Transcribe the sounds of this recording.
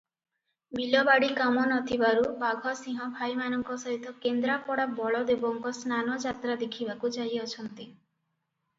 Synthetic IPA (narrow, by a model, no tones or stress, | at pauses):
bilɔbaɽikamɔnɔt̪ʰibaɾubaɡʱɔsĩɦɔ̃bʱajmanɔŋkɔsɔɦit̪ɔkend̪ɾapɔɽabɔɭɔd̪ebɔŋkɔsnanɔd͡ʒat̪ɾad̪ekʰibakud͡ʒajɔt͡ʃʰɔnt̪i